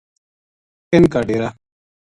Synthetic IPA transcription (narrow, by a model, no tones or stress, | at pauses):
kenkaɖeɾa